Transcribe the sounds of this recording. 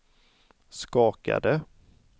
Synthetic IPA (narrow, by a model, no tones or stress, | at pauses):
skɑːka̰d̪ə